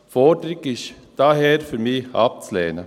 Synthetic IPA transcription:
fɔdəɾɪɡɪʃ | d̥ɑɦɛːɾfyːɾmiːɑ̰p̚t͡slɛ̰ːnə

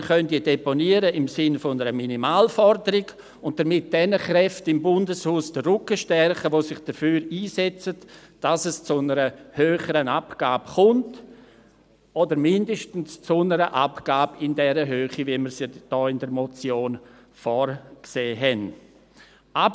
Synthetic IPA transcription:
χœntideponiəɾəɪmsɪnfnəɾəminimaːlfɔɾdəɾɪɡ | ʊnt̚d̥əɾmɪt̚d̥ɛnəχɾɛftɪmbʊndəshuːsd̥ərʊkəʃtɛrχəʋosɪχd̥əfyːɾiːsɛt͡sət | d̥asɛst͡sʊnəɾəhøːχəɾənapɡ̥aːbχʊnt | odəɾmɪndəʃtn̩st͡sʊnəɾəʔapɡ̥aːbɪndɛɾəɦøːχiviməɾsjɛd̥ɔːɪndəɾmot͡sjoːn | fɔɾkseːɦɛn | ʔab

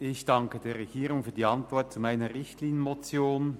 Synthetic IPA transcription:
ɪçd̥ɑŋkəd̥eːɐʁɛɡ̥iːʁʊŋfyːɐdiːɑntv̥ɔɐt̚t͡sumaɪnəʁɪçtliːnjənmot͡sjoːn

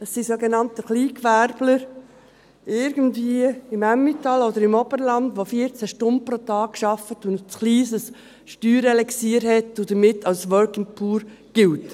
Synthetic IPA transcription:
əsːisoɡenɑntəχliːkʋæɾb̥ləɾ | ɪɾɡəntviəɪmæmːitɑlɔd̪əɾɪmɔbəɾlɑndʋofiəɾt͡sæʃtʊnd̚pɾot̪ɑːkʃɑfətʊnt͡sχliːsəs | ʃtyːɾɛlɛksiːɾhɛtːʊd̥̪əmɪtːɑlsʋœɾkɪŋpʰuːɾ | ɡ̥ɪlt

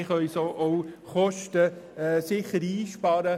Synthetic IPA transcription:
ɪχœjsoːʔow | χɔʃtə | ɛsɪχəɾiːʃpɑːɾə

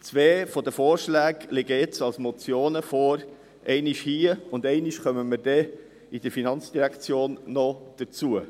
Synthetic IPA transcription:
t͡sʋeːfɔdəfoːɾʃlæːɡlɪɡəɪt͡sɑlsmɔt͡sjoːnəfɔːɾ | ʔɛɪniʃhiːəʊndɛɪniʃχœməməɾd̥ɛ | id̥əɾfinɑnt͡sd̥iɾækt͡sjoːnːɔd̥ət͡suə

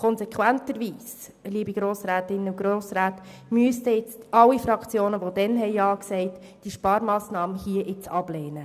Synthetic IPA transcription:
kʰɔnsɛkʰwæntəɾʋiːs | liəbiɡ̥ɾoːsɾæːtɪnːəuɡɾoːsɾæːtmyəstəɪt͡sɑlːifɾɑkt͡sjoːnəʋodɛnɦɛɪɑːksɛɪt | d̥iəʃpɑːɾmɑːsnɑːməhiəʔɪt͡sɑb̥leːnə

